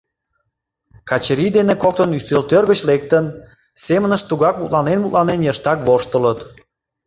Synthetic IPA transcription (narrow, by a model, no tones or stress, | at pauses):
kɑt͡ɕəɾid̪enekok̚t̪ənyst̪ølt̪ørɣət͡ɕlek̚t̪ən | semənəʃt̪uɣɑk̚mut̪lɑnenmut̪lɑnenjəʃt̪ɑkβoʃt̪ələt̪